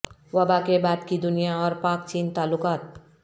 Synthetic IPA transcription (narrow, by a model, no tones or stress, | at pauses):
wʌbakebad̪kid̪unijaʌɾpakt͡ʃint̪alukat̪̚